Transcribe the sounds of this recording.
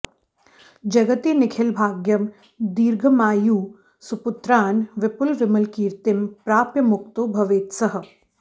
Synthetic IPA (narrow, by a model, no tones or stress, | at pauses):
d͡ʒɐɡət̪inɪkʰɪlbʱaːɡjəm | d̪iːɾɡʱəmaːjuː | sʊpʊt̪ɾaːnʋɪpʊlʋɪmɐlkiːɾt̪ɪmpɾaːpjɐmʊk̚t̪obʱɐʋeːt̪sɐɦə̆